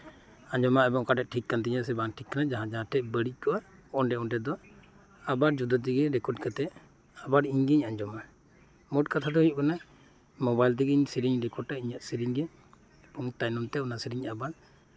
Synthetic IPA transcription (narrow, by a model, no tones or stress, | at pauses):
aɲd͡ʒɔmaɛbɔŋkaʈɛʔ̚ʈʰikːant̪̬iɲasɛbanʈʰikːanad͡ʒaɦãd͡ʒaɦãʈʰɛbəɽic̚kɔʔaɔɳɖɛɔɳʈɛd̪ɔ | abaɾd͡ʒud̪ɔt̪̬iɡɛɾɛkɔʈkat̪ɛʔ | abaɾiɲɡiɲaɲd͡ʒɔma | mɔʈkat̪ʰad̪ɔhujuʔ̚kana | mɔbajlt̪̬iɡiɲsiɾiɲɾɛkɔɖ̚aiɲaʔ̪siɾiɲɡɛ | bɔŋt̪ajnɔnt̪ɛɔnasiɾiɲabaɾ